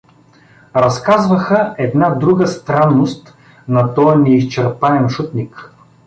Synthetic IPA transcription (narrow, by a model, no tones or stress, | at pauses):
ɾɐskazvɐxəɛd̪nad̪ɾuɡəst̪ɾanːost̪ | nɐt̪ɔjɐnɛist͡ʃɛɾp̪aɛnʃut̪nik